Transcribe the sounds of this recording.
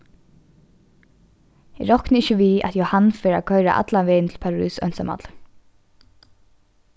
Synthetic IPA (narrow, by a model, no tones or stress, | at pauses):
ɛ̰ɹɔhknəɪçəʋiːa̰t̪johanːfɛːɾa̰kʰœʏɾa̰ʔa̰t̪laʋɛːjnt̪ʰɪlpʰaɹy̰ːsœ̰nsama̰t̪l